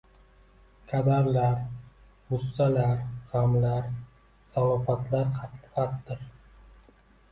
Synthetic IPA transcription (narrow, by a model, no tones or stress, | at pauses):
kʲʰad̪aɾlaɾ | bʊsːalaɾʁamlaɾ | salɒfat̪ʰlaɾqʰɑt̪p̪qɑt̪ːɪɾ